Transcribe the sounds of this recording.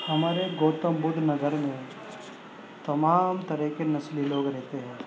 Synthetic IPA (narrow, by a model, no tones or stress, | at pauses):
hɐmaːɾeɡoːt̪ə̃mbʊɖ̪ʱnɐɡəɾmẽ | t̪ɐmaːmt̪ɐɾəɦkenɐsliloːɡɾɛɦt̪eɦɛ̃ː